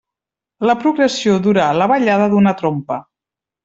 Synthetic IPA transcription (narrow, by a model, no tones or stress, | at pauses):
ləpɾuɣɾəsioðuɾaləβəʎaðəðunət̪ɾompə